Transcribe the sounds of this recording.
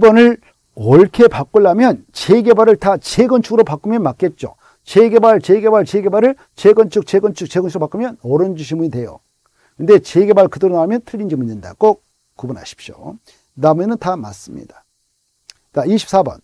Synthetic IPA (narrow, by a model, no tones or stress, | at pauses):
ibʌnɯɭ | ʌɭkʰe̞pak͈oɭːamjʌnt͡ɕe̞ɡe̞baɾɯɭtat͡ɕeɡʌnt͡ɕʰuɡɯɾopak͈ɯmjʌnmak͈e̞t̚t͡ɕ͈o̰ | t͡ɕe̞ɡebaɭt͡ɕeɡe̞baɭt͡ɕeɡe̞baɾɯɭ | t͡ɕeɡʌnt͡ɕʰuk̚t͡ɕeɡʌnt͡ɕʰuk̚t͡ɕeɡʌnt͡ɕʰɯopak͈ɯmjʌnʌɾɯnd͡ʑuɕʰimuɲidwe̞jo̰ | kɯnde̞t͡ɕe̞ɡe̞baɭkɯdɯɾonamjʌntʰɯʎːind͡ʑimuinːɯnda̰kok̚ | kːubunɦa̰ɕʰi̥p̚ɕ͈o̰ | nabuenɯntama̰s͈ɯmɲḭd̥ḁ | t͡ɕaiɕʰi̥p̚s͈abʌ̰n